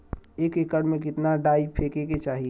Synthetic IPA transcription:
eːkekəɽmẽk̬ɪt̪naɖaːipʰeːkeket͡ʃaːɦi

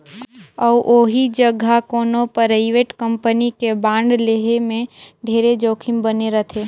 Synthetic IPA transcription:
ɔʋʔoːɦid͡ʒəɡʱakoːnõpəɾəɪʋeːʈkə̃mpənikebãːɳɖleɦemẽɖʱeːɾed͡ʒoːkʰɪmbəneɾət̪ʰeː

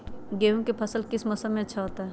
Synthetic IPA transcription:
ɡeːɦũkepʰəsəlkɪsməsəmẽɐtːʃʰaɦoːt̪aɦɛ

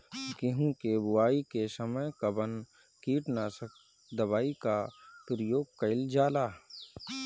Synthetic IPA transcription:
keɦũkebʊaːikesəməjkɐbən | kiːʈnasək | d̪əbaːikapɾəjoːɡ̚kəɪld͡ʒaːlaː

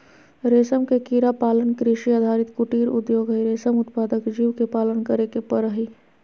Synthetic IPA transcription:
ɾeːsəmkekiɾapaːlənkɾɪʃiad̪ʱaːɾɪt̪kʊʈiːɾʊ̰d̪joːɡɦəiɾeːsəmʊt̪paːd̪əkd͡ʒiːwkepaːlənkəɾekepəɾəɦiː

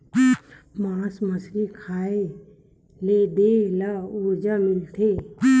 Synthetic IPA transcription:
maːsməsɾikʰaːe | leːd̪elauːd͡ʒamɪlt̪ʰe

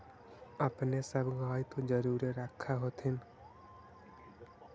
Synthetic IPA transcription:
apnesəbɡaːit̪ʰod͡ʒəɾuːɾeɾakʰːaɦot̪ʰɪn

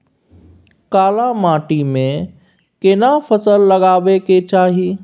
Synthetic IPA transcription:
kaːlamaːʈimẽ | kɪnapʰəsəlːəɡaːʋeket͡ʃaːɦi

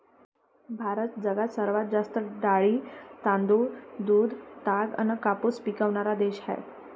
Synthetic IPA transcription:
bʱaɾət̪̚d͡zəɡat̪səɾʋat̪̚d͡zast̪əɖaɭiːt̪ãnd̪uːd̪uːd̪t̪aɡə̰nəkapuspikəʋɳaɾad̪eɕɦɛ̰

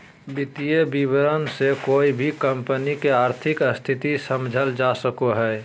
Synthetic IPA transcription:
bɪt̪ijebibəɾənsekoːibʱikəmpənikeaːɾt̪ʰɪkəst̪ʰɪt̪isəmd͡ʒʱəld͡ʒasəkoɦɛː

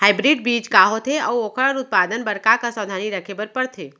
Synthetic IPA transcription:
haːɪbɾiːɖ̚biːd͡ʒkaɦot̪ʰeɔːoːkʰəɽəɾʊt̪̚paːd̪ənbəɽkakasɔːd̪ʱaːniɾəkʰebəɾpəɾt̪ʰeː

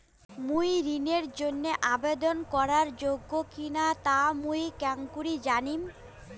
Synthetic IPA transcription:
mujɾineɾd͡ʑonːeʔabed̪onkɔɾaɾd͡ʑoɡːokinat̪amujkɛŋkuɾid͡ʑanim

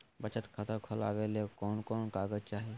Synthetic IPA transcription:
bət͡ʃət̪kʰət̪əkʰʊlaːʋelekɔːnkɔːnkaːɡəzt͡ʃaːɦeː

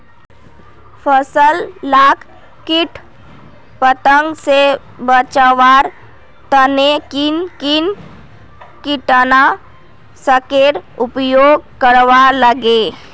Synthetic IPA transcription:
pʰəsəllaːkʰ | kɪʈʰ | pət̪ə̃ŋɡse | bət͡ʃaʋaːɾ | t̪ənekinkɪn | kiʈəna | səkeːɾʊpjoːɡ̚kəɾʋaləɡe

